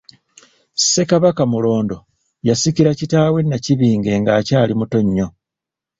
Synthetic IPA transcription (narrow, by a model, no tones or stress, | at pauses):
se̞kaβakamulo̞ːndo̞ | jasikiɾacitaːwe̞nːaciβiːŋɡe̞ŋɡaːcaːlimuto̞ɲːo̞